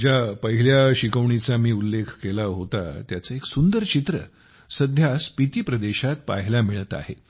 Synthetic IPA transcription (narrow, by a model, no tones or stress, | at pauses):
d͡ʑapəɦiljaɕikəʋɳit͡samiːulːekʰkelaɦot̪a̰t̪jat͡səeksund̪əɾt͡ɕit̪ɾə̰ | səd̪ʱjaspit̪iːpɾəd̪eɕat̪̚pa̰ɦilamiɭət̪a̰hḛ